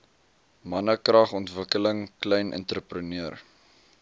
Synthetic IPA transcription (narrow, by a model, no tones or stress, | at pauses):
mɐnəkrɐχɔntvəkələŋklɛjnʔə̰ntɾəprəniər